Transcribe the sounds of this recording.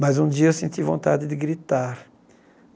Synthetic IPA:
majzũd͡ʒiɐewsẽnt͡ʃ̪ivõnt̪a̰d͡ʒɪd̪ɪɡɾit̪aɾ

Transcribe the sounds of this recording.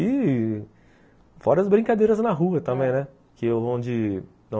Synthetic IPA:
ɪ | fɔɾɐzbɾĩkad̪eɾɐznɐɦuɐt̪ɐ̃mbẽj̃nɛ | kɪewvɐ̃w̃d͡ʒɪ | nɐ̃

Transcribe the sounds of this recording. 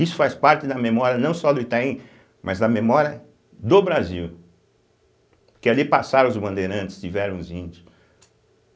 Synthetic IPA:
isʊ̥fajspaɾt̪ɪd̪ɐmemɔɾjɐnɐ̃w̃sɔd̪ʊit̪aĩ | mʔɐzd̪ɐmemɔɾjɐ | d̪obɾaziw | kɪalipasaɾɐ̃ʊzbɐ̃nd̪eɾɐ̃t̪ɪ̥st̪ivɛɾɐ̃w̃zĩd͡ʒʊ

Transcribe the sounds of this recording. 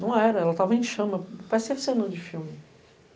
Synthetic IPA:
nɐ̃w̃ɛɾɐɛlɐt̪avɐẽj̃ʃɐ̃mɐpasesenɐ̃d͡ʒɪfiwmɪ

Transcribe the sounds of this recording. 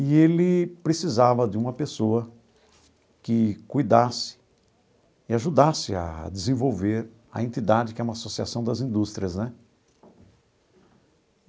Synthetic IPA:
ɪelɪpɾesizavɐd͡ʒɪũmɐpesoɐ | kɪkujd̪asɪ̥ | ɪaʒud̪asɪa̰d͡ʒɪzẽvowveɾ | ɐ̰ẽnt̪id̪ad͡ʒɪkɪɛũmasosia̰sɐ̃w̃d̪ɐzĩd̪ust̪ɾiɐznɛ

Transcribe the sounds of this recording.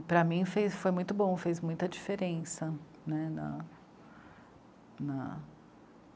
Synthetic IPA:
pɾɐmĩfejsfojmũj̃t̪ʊbõw̃fejzmũj̃t̪ɐd͡ʒifeɾẽsɐ | nɛnɐ̰ | nɐ

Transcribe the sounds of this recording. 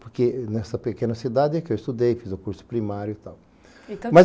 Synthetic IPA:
poɾkenɛsɐpekẽnɐsid̪ad̪ɪɛkɪewɪst̪ud̪ejfizʊkuɾsʊ̥pɾimaɾjʊt̪aw | mɐz

